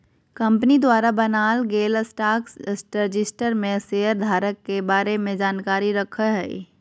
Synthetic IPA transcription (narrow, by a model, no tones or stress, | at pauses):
kɐ̃mpnid̪waːɾabɐnaːlɡeːləsʈaːkssʈɾd͡ʒɪsʈəɾmẽseɦəɾd̪ʱaːɾəkːebaːɾemẽd͡ʒaːnkaːɾiɾɐkʰəɦɛ̰